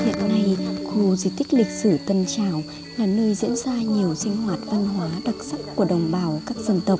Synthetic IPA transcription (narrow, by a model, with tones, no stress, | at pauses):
hḭ˧˨ənːa˧jxu˧zi˧˦t̪ï˦˥k̟̚lï˨˩k̟̚sɨ˧˩t̪ə˧nt͡ɕaː˧˩w | laː˨˩nəː˧jzḭ˧˥ənzaː˧ɲi˨˩əwsï˧ŋ̟hwaː˨˩t̚va˧nɦwaː˨˦ɗa˨˩t̚sa˦˥kku˧˩əɗə˨˩wŋ͡mɓaː˧˩wkaː˦˥k̚z̥ə˧nt̪ə˨˩wk͡p̚